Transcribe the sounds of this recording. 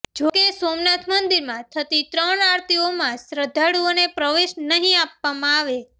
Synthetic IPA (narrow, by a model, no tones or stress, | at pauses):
d͡ʒokesomnat̪ʰmənd̪iɾmãt̪ʰət̪it̪ɾəɳaɾt̪iomãsɾəd̪ʱaɽuonepɾəʋeʃnəɦĩapːamãaʋe